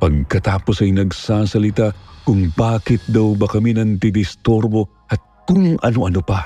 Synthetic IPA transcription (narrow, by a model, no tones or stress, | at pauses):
pɐɡ̚kɐt̪aːpo̞sɐjnɐɡsaːsɐlɪt̪akʊŋbaːkɪt̪̚d̪ɐwbɐkɐminɐŋd̪ɪd̪ɪst̪oɾbo̞ | ʔɐt̪̚kʊŋɐ̰noʔɐnopɐ